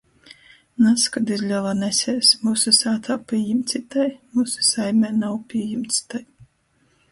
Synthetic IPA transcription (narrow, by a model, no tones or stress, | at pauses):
naskad̪izʲlʲavanɛsʲɛːsmusɨsaːt̪ʰaːpʲiɛjimt̪sʲit̪ajmusu̥sajmʲɛːnawpʲiɛjimt̪si̥t̪aj